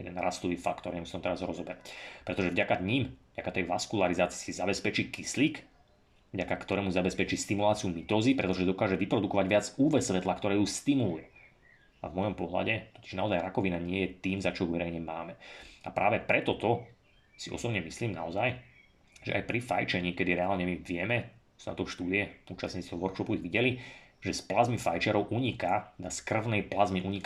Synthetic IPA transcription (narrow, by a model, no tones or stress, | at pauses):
jɛd̪ɛnɾast̪ɔʋiːfakt̪ɔɾɲɛmust̪ɔmt̪ɛɾazɾɔzɔbɛɾapɾɛt̪ɔʒɛvɟakaɲiːmvɟakat̪ɛjʋaskulaɾizaːt͡si̥sizabɛspɛt͡ʃiːkisliːk | vɟakakt̪ɔɾɛːmuzabɛspɛt͡ʃiːst̪imulaːt͡siumit̪ɔːzipɾɛt̪ɔʒɛd̪ɔkaːʒɛʋipɾɔd̪ukɔʋaɟʋɪad͡zuːʋɛsːʋɛt̪lakt̪ɔɾɛːjuːst̪imulujɛ | a̰vmɔjɔmpɔɦla̰ɟɛɔi̥ʒnaɔzajɾakɔʋinaɲɪɛjɛt̪iːmzat͡ʃɔɦuʋɛɾɛjɲɛmaːmɛapɾaːʋɛpɾɛt̪ɔt̪ɔ | siʔɔ̰sɔbɲɛmisliːmna̰ɔzaj | ʒɛ̰ʔa̰jpɾifa̰jt͡ʃɛɲiːkɛd̪iɾɛaːlɲɛmiʋɪɛmɛ | suna̰t̪ɔʊʃt̪uːd̪iɛuːt͡ʃasɲiːt͡siɔʋɔɾkʃɔpuiɣʋiɟɛliʒɛsplazmifa̰jt͡ʃɛɾɔʊʔuɲikaɛd̪askr̩ʋʊnɛjplazmiʔuɲik